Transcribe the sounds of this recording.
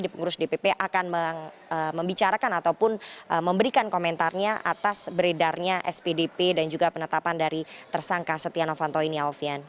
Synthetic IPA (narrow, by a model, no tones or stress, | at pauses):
dipəŋuɾʊsdepepeʔakanməŋ | əməmbit͡ʃaɾakanat̪awpʊnʔəməmbəɾikankomɛnt̪arɲaʔa̰t̪asbəɾedarɲaʔɛspedepedand͡ʒuɡapənət̪apandaɾit̪ərsaŋkasət̪ianofant̪oiniaofian